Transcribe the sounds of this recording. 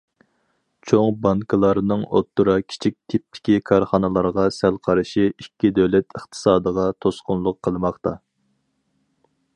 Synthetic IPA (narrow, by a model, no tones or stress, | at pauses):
t͡ʃʰoŋbɑŋkʰɨlˠɑɾnɨŋo̰t̪ːuɾɑkʲʰi̥t͡ʃʰik̚ʲt̪ʰɪp̚t̪ʰɪ̥kʲikʰɑɾχɑnɨlˠɑɾʁɑsælqʰɑɾɨʃiikʲːid̪ɛwlɛt̪əχt̪ʰɨ̥sɑːd̪əʁɑt̪ʰosqʊnlˠʊqʰːəlˠɨmɑχt̪ɑ